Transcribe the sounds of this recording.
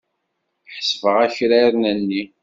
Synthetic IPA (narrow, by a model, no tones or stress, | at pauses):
ħsfəʁæçɾæɾnənːi